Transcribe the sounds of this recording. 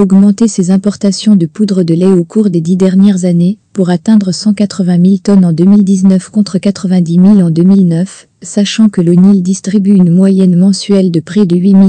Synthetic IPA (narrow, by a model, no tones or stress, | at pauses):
ɔɡmɑ̃t̪esezɛ̃pɔʁt̪asjɔ̃d̪əpud̪ʁəd̪əlɛokʰuʁd̪ed̪id̪ɛʁnjɛʁzanepuʁat̪ɛ̃d̪ʁəsɑ̃kat̪χəvɛ̃milt̪ɔnɑ̃d̪ømild̪iznœfkɔ̃t̪χəkat̪χəvɛ̃d̪imilɑ̃d̪ømilnœf | saʃɑ̃kələnild̪ist̪χibyynmwajɛnmɑ̃sɥɛld̪əpχed̪əɥimi